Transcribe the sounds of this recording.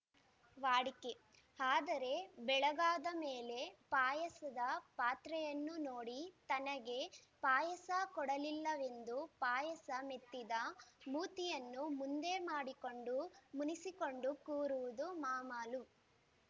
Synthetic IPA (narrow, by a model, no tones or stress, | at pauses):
ʋaːɽike | aːd̪ɐɾe̞bɛɭɐɡaːd̪ɐmeːle̞paːjɐsɐd̪ɐpaːt̪ɾɛjɐnːunoːɽit̪ɐnɐɡe̞paːjɐsɐkɔɽɐlilːɐʋe̞nd̪upaːjɐsɐmet̪ːid̪ɐmuːt̪ijɐnːumund̪e̞maːɽikoɳɖumunisiko̞ɳɖukuːɾuʋud̪umaːmaːlu